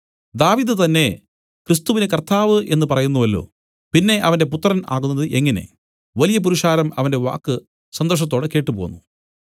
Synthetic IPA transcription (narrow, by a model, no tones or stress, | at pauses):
d̪aːʋiːðɨt̪ɐnːe̞ | krist̪uʋinekɐrt̪aːʋɨʔe̞nːɨpɐrɐjunːuʋɐlːo̞̰ː | pinːe̞ʔɐʋɐnde̞put̪ːɐrɐnʔa̰ːɣunːɐðɨʔeŋːɐne̞̰ | ʋɐlijɐp̬uɾiʂaːɾɐmɐ̰ʋɐnde̞ʋa̰ːkːɨ | sɐnd̪ɐrʂ̬ɐt̪̬ːo̞ːɽɨke̞ːʈːɨpo̞̰ːnːu